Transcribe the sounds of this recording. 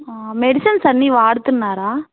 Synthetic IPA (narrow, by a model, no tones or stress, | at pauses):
aːmɛɽɪsɐnsɐnːiʋaːɽɯt̪ːɯnːaːɾaː